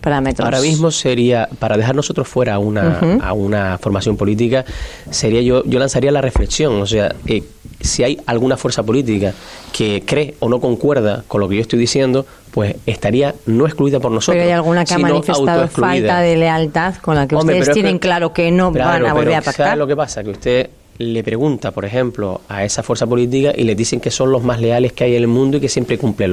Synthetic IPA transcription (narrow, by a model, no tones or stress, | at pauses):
paɾamet̪ɾaoɾamizmo̞se̞ɾiapaɾað̞e̞ɦaɾno̞so̞t̪ɾo̞hfwe̞ɾaunaa̰unafo̞ɾmasjo̞mpo̞lit̪̬ikase̞ɾiaʝoʝo̞lansaɾialare̞fle̞ksjõ̞ŋo̞s̬e̞a̰e | siajalɣunafwe̞ɾsapo̞lit̪ikakʰekɾe̞o̞no̞ko̞ŋkwe̞ɾð̞ako̞nlo̞keot̪ojðisjẽ̞nd̪o̞ | pwe̞se̞ht̪aɾiano̞ehkluiðapo̞ɾnosoeɾajalɣunakseaimanonifeawt̪aðooklualiðaaðelealt̪aðko̞nlakeuosmtɾeepesɾoet̪eneŋklaɾokenoβaɾoaβoβeɾapasaelokepasakeust̪e̞ | le̞pɾe̞ɣũnt̪apo̞ɾe̞xẽ̞mplo̞ae̞safweɾsapo̞lit̪̬ikaʔḭleðise̞ŋke̞sõ̞ŋlo̞ɦmaɦle̞ale̞hkeajenelmũnd̪oike̞sje̞mpɾekumplel